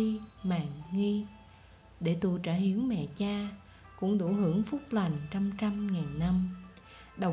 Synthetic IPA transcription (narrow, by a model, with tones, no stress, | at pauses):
i˧maː˨ŋŋi˧ | ɗe˧˩t̪u˨˩t͡ɕaː˧˩hi˨˦əwmɛ̰˧˨t͡ɕaː˧ | kʊ̰˧˥ŋ͡mɗo˧˩ɦɨ˧˩əŋfʊ˦˥k͡p̚la˨˩ŋ̟t͡ɕa˧mt͡ɕa˧mŋaː˨˩nːa˧m | ɗə˨˩w